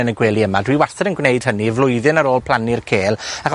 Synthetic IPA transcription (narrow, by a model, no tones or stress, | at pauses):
ənəɡweːlˠiəmadwiːwarθɛɾənɡwnejd̥ɦənivlˠʊɨðɨnaɾoːlˠpʰl̥ˠanirkʰeːlˠak